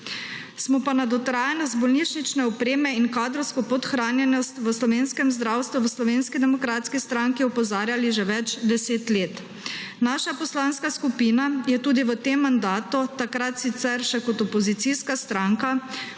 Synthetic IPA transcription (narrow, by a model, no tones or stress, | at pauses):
smɔpanad̪ɔt̪ɾaːjanɔst̪̚bɔlniːt͡ʃnit͡ʃnɛɔpɾeːmɛinkaːd̪ɾɔwskɔpɔt̪xɾaːnjɛnɔst̪ʋəslɔʋeːnskɛmzd̪ɾaːwst̪ʋuʋəslɔʋeːnskid̪ɛmɔkɾaːt̪skist̪ɾaŋkiɔpɔzaːɾjaliʒɛʋɛt͡ʃd̪ɛseːt̪leːt̪ | naʃapɔslanskaskupiːnajɛt̪uːd̪iʋət̪eːmːand̪aːt̪ut̪akɾat̪sit̪sɛɾʃɛkɔt̪ɔpɔzit̪siskast̪ɾaŋka